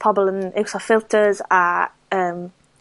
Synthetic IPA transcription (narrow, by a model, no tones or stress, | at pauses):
pʰɔbələ̃nɪwsɔfɪlˠtʰəza | əːm